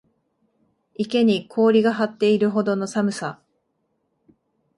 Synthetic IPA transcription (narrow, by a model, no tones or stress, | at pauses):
ike̞ɲ̟ikʰo̞ːɾʲiɡaɦat̪ːe̞iɾɯ̟ɦo̞d̪o̞no̞samɯ̟sa